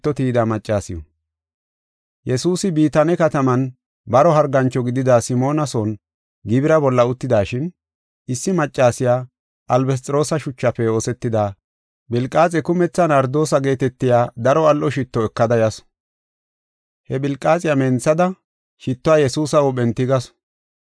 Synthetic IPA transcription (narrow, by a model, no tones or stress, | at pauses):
t̪ːɔt̪iːd̪amɐt͡ʃʼːaːsɪjɔ̰ | jɛsuːsɪbiːt̪ɐnɛkɐt̪ɐmɐn | bɐɾɔɦɐɾɡɐnt͡ʃːɔɡɪd̪ɪd̪asɪmo̞ːnɐsoːn | ɡɪbɪɾɐbɔlːɐʊt̪ːɪd̪aːʃɪn | ɪsːɪmɐt͡ʃʼːaːsɪjaː | ʔɐlbɛs̬t̪ʼɾo̞ːsɐʃʊt͡ʃːɐfɛo̞ːsɛt̪ːɪd̪aː | bɪlkʼːaːt͡sʼɛkʊmɛt͡sːɐnɐɾd̪o̞ːsɐɡe̞ːt̪ɛt̪ːɪjaːd̪ɐɾɔɐlʔɔʃɪt̪ːɔɛkːɐd̪ɐjɐs | hɛbɪlkʼːaːt͡sʼɪjamɛːnt͡sːɐd̪ɐ | ʃɪt̪ːɔaːjɛsuːsɐwɔbɛnt̪ːɪɡɐs